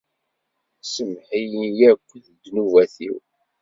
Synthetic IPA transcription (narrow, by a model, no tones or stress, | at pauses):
səmħijənjækʷːəðd̪nuvæθḭw